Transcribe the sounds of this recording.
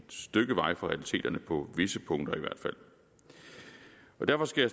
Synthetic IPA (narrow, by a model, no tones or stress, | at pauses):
d̥sd̥øɡ̥əʋɑ̈ɪ̰fɒʁɛælit͡sʰe̝̰ːd̥ɐnəpʰɒ̽ʋe̝səpʰɔ̽ŋ̰d̥ɐiʋæɐ̰d̥fæl̰ | ɒ̽d̥æɐfɒ̽sɡ̥æja